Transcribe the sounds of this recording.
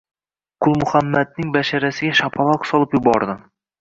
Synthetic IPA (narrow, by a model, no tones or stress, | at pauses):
qʰʊlˠmʊχamːad̪̚nɪŋbaʃaɾasɪɡʲaʃapʰɑlˠɒqsɒlˠɪpjʊbɒɾd̪ɪ